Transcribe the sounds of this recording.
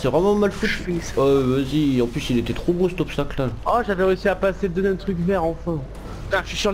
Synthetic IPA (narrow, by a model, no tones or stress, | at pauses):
sɛvʁɛmɑ̃malfut̪iɔvaziɑ̃plysilet̪ɛt̪χobõsɛt̪ɔpst̪aklaaʒavɛʁeysiapased̪əzɛɛ̃t̪χykvɛʁɑ̃fɛ̃ | ãʃisyʁ